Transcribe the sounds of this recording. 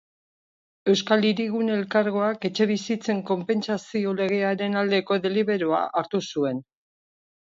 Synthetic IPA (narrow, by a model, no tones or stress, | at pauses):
e̞wskaliɾiɣune̞lkaɾɣo̞ake̞t͡ʃe̞β̞isit͡se̞ŋko̞mpe̞nt͡sasio̞le̞ɣ̞e̞aɾe̞nald̪e̞ko̞ðe̞liβe̞ɾo̞a̰ʔaɾt̪usue̞n